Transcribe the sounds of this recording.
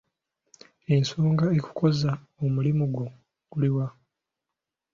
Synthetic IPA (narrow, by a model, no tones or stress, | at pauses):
e̞nsoːŋɡaeku̥kʰo̞za | omulimuɡwo̞ | ɡ̥uliwa